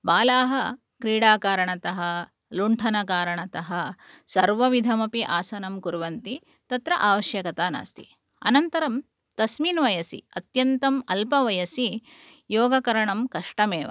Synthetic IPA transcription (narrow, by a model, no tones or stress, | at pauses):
baːlaːɦɐ̆ | kɾiːɽaːkaːɾɐɳɐt̪ɐɦɐ | luɳʈʰɐnɐkaːɾɐɳɐt̪ɐɦɐ | sɐɾʋɐʋid̪ʱɐmɐpiʔaːsɐnɐmkuɾʋɐnt̪i | t̪ɐt̪ɾɐʔaːʋɐʃjɐkɐt̪aːna̰ːst̪ḭ | ɐ̰nɐnt̪ɐɾɐm | t̪ɐsmiːnʋɐjɐsḭɐt̪jɐnt̪ɐmɐlpɐʋɐjɐsi | joːɡɐkɐɾɐɳɐmkɐʂʈɐmeːʋɐ̰